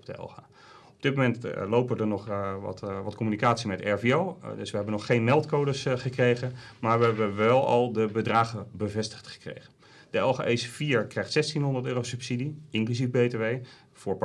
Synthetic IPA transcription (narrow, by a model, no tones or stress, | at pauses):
b̚dəɛ̰lˠχa̰ː | ɔb̚dɪt̚mowmɛntlowpədəɹnɔχɑ̰tʋɑtkɔmynikaːtsimɛtɛɹviowdɵ̰sʋəɦɛbənɔχːejnmɛlˠtkowdəsχəkrejχənmaːɹʋəɛbəʋɛlˠɑ̰lˠdəbədraːχənbəvɛstə̥χtχə̥krḛjχə | dəɛlˠχa̰ːʔesfiːɹkrɛjχtsɛstinɦɔndəɹtøːrosɵpsidiɪŋklyzifbejteʋej | v̥ʊːɹp